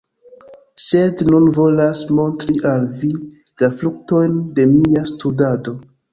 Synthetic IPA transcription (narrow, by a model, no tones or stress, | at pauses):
se̞dnunvo̞lasmo̞ntɾiʔalvi | laflukto̞jnde̞miastudado̞